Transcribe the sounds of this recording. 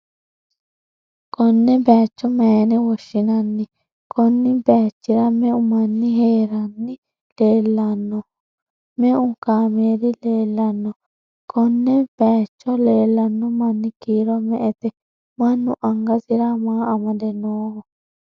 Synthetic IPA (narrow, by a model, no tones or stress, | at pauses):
kɔnːɛbɛːt͡ʃːɔmɛnɛwɔʃːɪnɐnːɪ | kʰɔnːɪbɛːt͡ʃːɪɾɐmɛʊmɐnːɪɦeːɾɐnːɪ | leːlːɐnːɔ | mɛʔʊkaːmeːɾɪleːlːɐnːɔ | kʰɔnːɛb̥ɛːt͡ʃːɔleːlːɐnːʊmɐnːɪkiːɾɔmɛʔɛt̪ɛ | mɐnːʊʔɐŋɡɐsɪɾɐmaːɐmɐd̪ɛnːoːhɔ